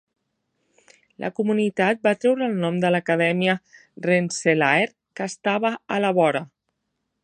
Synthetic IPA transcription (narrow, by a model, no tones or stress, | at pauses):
lʔə̰kumunit̪at̪̚bat̪ɾɛwɾəːlˠnɔmd̪ələkəðɛmiərenselaeɾ | kəst̪aβəːləβɔɾə